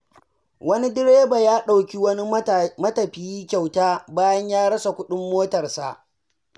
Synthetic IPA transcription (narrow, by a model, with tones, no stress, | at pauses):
wɐ˦ni˦dɪ˦ɽeː˦ba˨jaː˦ɗa˨wkʲi˦wɐ˦ni˦mɐ˦tɐ˨ɸɪ˨jiː˦kʲa˨wtaː˦baː˦jɐ˦ɲjaː˦ɽɐ˦sa˨kʷʊ˦ɗɪ˦mːoː˦tɐ˨rsa̰˨ʔ